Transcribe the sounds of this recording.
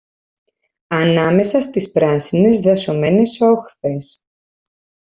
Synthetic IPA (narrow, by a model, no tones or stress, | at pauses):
ɐnɐme̞sɐst̪ispɾɐsine̞zðɐso̞me̞ne̞so̞xθe̞s